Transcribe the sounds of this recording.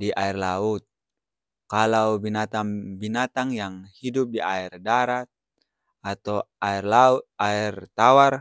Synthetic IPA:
diʔairlaut̪̚ | kalawbinat̪aŋbinat̪aŋjaŋhidup̚diʔairdaɾat̪̚ | at̪awairlaut̪̚airt̪awar

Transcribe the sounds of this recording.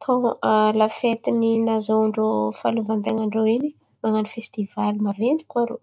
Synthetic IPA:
t̪ʰɔ̃alafet̪ininazoɳɖ͡ʐofaluvand̪aŋaɳɖ͡ʐoini | maŋanifest̪ivalimavend̪i̥kʲuaɾo̰

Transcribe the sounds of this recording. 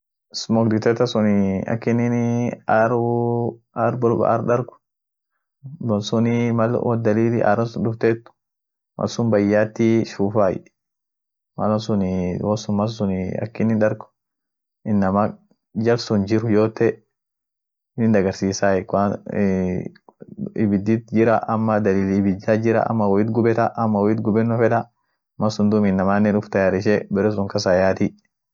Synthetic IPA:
smɔkd̪ɪt̪ɛt̪ɐsʊnɪɐ̰kːɪnɪnaɾ | aɾbɔlb̰a̰ɾɗɐɾkʊ̥ | bɔsʊnɪmɐl̰wɔd̪ɐliːlɪʔa̰ɾɐnsʊndʊft̪et̪ːʊ̥ | mʔɐ̰sʊmbɐjːaːt̪ːiʃuːfaːj | mɐlɐnsʊnwɔsʊnmɐssʊnɐ̰kːɪnːɪnᶑɐɾɡʊ̥ | ɪnːɐma | d͡ʒɐlsʊnd͡ʒɪɾʊd͡ʒoːt̪ːɛ | nɪnd̪ɐɡɐɾsiːsaːɛka | ɪ̰bɪd̪it̪d͡ʒɪɾɐʔɐmːɐd̪ɐliːlɪbɪd͡ʒːaːd͡ʒɪɾɐ̰ʔɐ̰mːɐwɔɪt̪ɡʊbɛt̪ɐʔɐmːɐwɔɪt̪ɡʊbɛnːʊfɛᶑɐ | mɐsʊnd̪ʊmɪnːɐmaːnːɛnʊft̪ɐjaːɾɪʃ̬ɛbɛɾɛs̬ʊŋkɐs̬ajaːt̪i

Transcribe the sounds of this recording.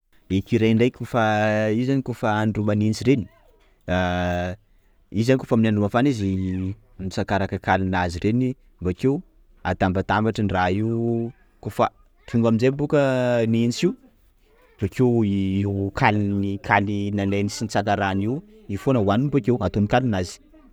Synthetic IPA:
ekiɾeɳɖ͡ʐejkʲofaizanikofaːnɖ͡ʐumanint͡siɾeni̥ | a | izanikofaminaɳɖ͡ʐumafanizi | mit͡sakaɾakəkalinazireni | vakew | a̰t̪ambat̪ambaʈ͡ʂənraiw | kofə | finuaminzembukəniint͡siw | v̥akewikʰalinikʰalinanenisint͡sant̪aɾaniw | ifonəwanimbakewat̪onikalinazi̥

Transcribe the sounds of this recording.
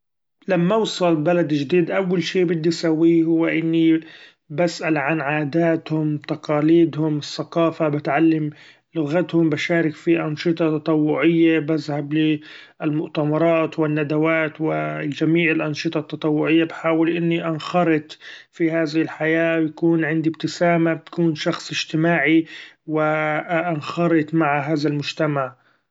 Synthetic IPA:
lamːawsˤɑlbalad̪ʒd̪iːd̪ʔawːalʃiːbɪd̪ːisawːihʊwːɪʔɪnːi | basʔalʕanʕaːd̪aːt̪hʊmt̪ɑqɑːliːd̪hʊmɪsːɑqɑːfabɪt̪ʕalːam | lʊɣat̪hʊmbaʃaːɾɪkfiʔɑnʃɨt̪ˤɑt̪ɑt̪ˤɑwːʊʕɪjːabazhablɪ | ɪlmʊʔt̪amɑɾˤɑːt̪wɪnːad̪awaːt̪wɪd͡ʒamiːʕɪlʔɑnʃɨt̪ˤɑt̪ːɑt̪ˤɑwːʊʕɪjːabħaːwɪlʔɪnːiʔanxɑɾˤɨt̪fihaːðɪhɪlħajaːwjakuːnʕɪnd̪ibt̪ɪsaːmat̪ḁkuːnʃɑxsˤɪʒt̪ɪmaːʕiwɪʔanxɑɾˤɨt̪ˤmaʕɦaːðalmʊd͡ʒt̪amaʕ

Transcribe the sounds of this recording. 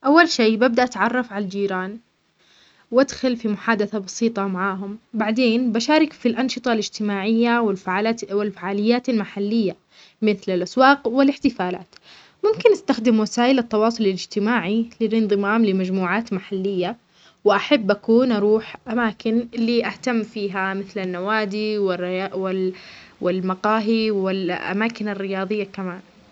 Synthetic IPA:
ʔawːalʃeːbab̚d̪aʔat̪ʕɑrˤːɑfʕalald͡ʒiːɾaːn | wad̪xʊlfimʊħaːd̪aθabɑsiːt̪ˤɑmaʕaːɦʊmbaʕd̪eːnbaʃaːɾɪkfilʔɑnʃɨt̪ˤɑlɪd͡ʒt̪ɪmaːʕɪjːawɪwɪlfaʕaːlɪjːaːt̪almaħalːɪjːa | mɪθlɪlʔaswɑːqwɪlɪħt̪ɪfaːla̰ːt̪ | mʊmkɪnʔast̪axd̪ɪmwasaːʔɪlɪt̪ːɑwɑːsˤʊlɪlɪd͡ʒt̪ɪmaːʕilɪlʔɪnðˤɨmaːmlɪmad͡ʒmuːʕaːt̪maħalːɪjːa | wɪʔaħabːʔakuːnʔɑɾˤuːħʔamaːkɪnliːʔaht̪amːfiːɦamɪθlanːawaːd̪iwɪrwɪwɪlmaqɑːɦiwɪlʔa̰maːkɪnarːɪjɑːðˤɨjːakamaːn

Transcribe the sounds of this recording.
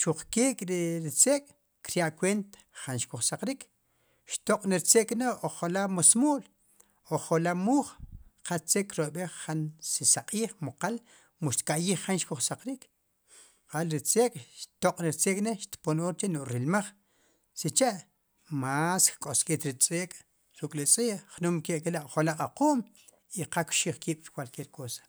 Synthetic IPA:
t͡ʃuq͡χkiːkʼɾiɾit͡seːkʼ | kɾjaʔkweːnt̪ḁχanʃkuχsaqɾiːkʰ | ʃt̪oqʼniɾt͡seːkʼneoχolamosmoːl | oχolamuːχqast͡sekʼɾoɓeχːansisaqʼiːχmoqal | muʃt̪kaʔjiːχːanʃkuχsaqɾiːk | qalɾit͡sʼeːkʼʃt̪oqʼɾiɾt͡sʼeːkʼneʃt̪ponoːɾt͡ʃenoʔɾilmaχ | sit͡ʃaʔ | maskkʼoskʼit̪ɾit͡sʼeːkʼ | ɾukʼlit͡sʼiːχnuːmkeʔkilaʔoχolaqʼaqoːm | iqakʃiːχkiːɓ̥ɾkwalkeːɾkoːsḁ

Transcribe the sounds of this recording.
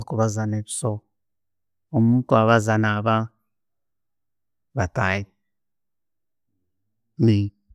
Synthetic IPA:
kuβazaneβi̥so | omutuaβazanaβa | βataji | mi

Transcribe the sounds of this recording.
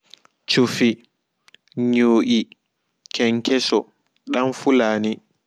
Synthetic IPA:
t͡ʃufi | ɲoːʔi | kʰɛŋkʰɛsɔ | ɗamfulaːni

